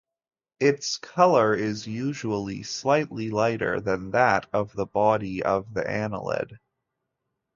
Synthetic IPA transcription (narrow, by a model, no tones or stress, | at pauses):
ɪtskʰʌlˠə˞ɪzjʉʒəl̩ˠḭslaɪtˡlilaɪɾə̰˞ðɨ̃nðæɾʌvðəbɑɾiʌvðḭʔæ̃nə̰lˠɪ̰d̥